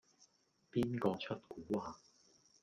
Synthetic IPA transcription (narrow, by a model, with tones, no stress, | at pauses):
piː˥nkɔː˧t͡sʰɐ˥t̚kuː˨˥waː˨˧